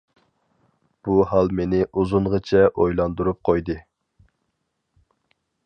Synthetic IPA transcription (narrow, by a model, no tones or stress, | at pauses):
b̥uhɑlˠmenɪʔuzuɴʁət͡ʃʰɛʔojlˠɑnd̪uɾup̚qʰojd̪ɨ